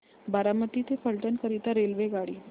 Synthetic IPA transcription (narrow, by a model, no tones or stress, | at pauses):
baɾamət̪it̪ʰefəɭʈənkəɾit̪aɾelʋeɡaɽiː